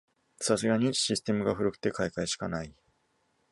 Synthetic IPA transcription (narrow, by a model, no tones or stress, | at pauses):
sas̬ɨɡaɲ̟iɕisɨ̥t̪e̞mɯ̟ɡaɸɯ̟ɾɯkɯ̟̥t̪e̞kaikaiɕi̥kanai